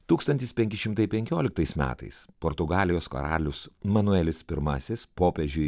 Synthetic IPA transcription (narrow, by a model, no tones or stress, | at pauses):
t̪uːkst̪ɐnʲt̪ʲɪspʲɛŋʲkʲɪʃʲɪmt̪ɐɪpʲɛŋʲkʲoːlʲɪk̚t̪ɐɪsmʲæ̰ːt̪ɐ̰ɪspoːɾt̪ʊɡɑːlʲɪjoːsko̰ɾɑ̰ːlʲʊsmɐnʊɛlʲɪspʲɪɾmɐsʲɪspoːpʲɛʒʲʊ